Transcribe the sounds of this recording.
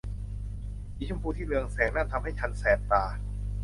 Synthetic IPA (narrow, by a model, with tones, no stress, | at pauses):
ʔiː˨˦˩t͡ɕʰu˥˩˨mpʰuː˧t̪ʰiː˥˩lɯ˧əŋsɛː˩˦ŋnaː˥˩nt̪ʰa˧mha˥˩jt͡ɕʰa˧nsɛː˨˩p̚t̪aː˧